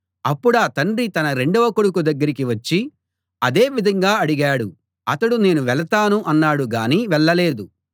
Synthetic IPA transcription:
ɐpːuɽaːt̪ɐɳɖrit̪ɐnɐɾe̞ɳɖuʋɐkuɽukud̪ɐɡːɐɾikiʋɐt͡ʃːi | ɐd̪e̞ːʋid̪ʱɐŋɡaːɐɽiɡaːɽu | ɐt̪ɐɽune̞ːnuʋɛɭɐt̪aːnuʔɐnːaːɽuɡaːniːʋɛɭːɐle̞ːd̪u

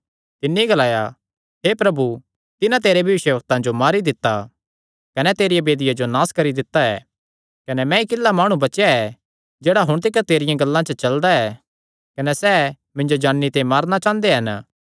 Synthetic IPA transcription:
t̪ɪnːiiɡɐlaːja | ɦepɾɐbu | t̪ɪnãt̪̬eːɾebʱjɐʋɪʃjəʋɐk̚t̪ãd͡ʒomaːɾid̪ɪt̪ːa | kɐnɛt̪eːɾijabeːd̪ɪjad͡ʒonaːskɐɾid̪ɪt̪ːaɛ̰ː | kɐnɛmɛ̃ikɪlːamaːɽ̃ũbɐt͡ʃjaɛ | d͡ʒeːɽaɦʊɽ̃t̪̬ɪkat̪eːɾɪjãɡɐlːãt͡ʃət͡ʃɐld̪aɛː | kɐnɛsɛː | mɪ̃nd͡ʒod͡ʒaːɽːit̪ẽimaːɾnat͡ʃãːnd̪eɦɐn

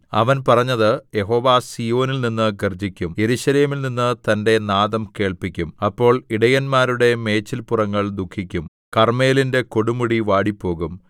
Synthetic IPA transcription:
ɐ̰ʋɐnpɐrɐɲːɐðɨje̞ɦo̞ːʋaːsijo̞ːnilninːɨɡɐrd͡ʑikʲːumje̞ɾuɕɐle̞ːmilninːɨt̪ɐnde̞naːðɐmke̞ːɭpikʲːumɐpːo̞ːɭiɽɐjɐnmaːɾuɽe̞me̞ːt͡ɕːilpurɐŋːɐɭd̪ukʰːikʲːum | kɐrme̞ːlinde̞ko̞ɽumuɽiʋaːɽipːo̞ːɣum

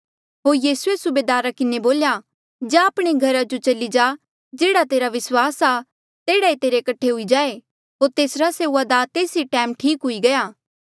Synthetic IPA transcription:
ɦoːɾjiːsuesʊbeːd̪aːɾakɪneboːlja | d͡ʒãɐːpɽ̃eɡʱɐɾad͡ʒot͡ʃɐlid͡ʒaː | d͡ʒeːɽat̪eːɾaʋɪswaːsa | t̪eːɽaet̪eːɾekɐʈʰːeɦʊid͡ʒaːe | ɦoːɾt̪eːsɾaseːuːad̪at̪eːsiʈɛːmʈʰiːkɦʊiɡɐjaː

